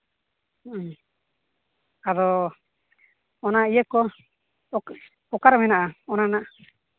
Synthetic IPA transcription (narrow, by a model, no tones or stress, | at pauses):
ad̪ɔ | ɔnaijəkɔ | ɔkaɾmɛnaʔaɔnanaʔ